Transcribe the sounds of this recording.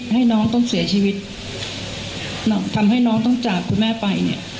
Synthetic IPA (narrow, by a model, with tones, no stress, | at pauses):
ha˥˩jnɔː˦˥ŋt̪ɔ˥˩ŋsi˨˩˦ɐt͡ɕʰiː˧wi˦˥t̪̚ | nɔ˦˥t̪ʰa˧mha˥˩jnɔː˦˥ŋt̪̬ɔ˥˩ŋt͡ɕaː˨˩kkʰu˧nmɛː˥˩pa˧jnḭ˥˩ɐ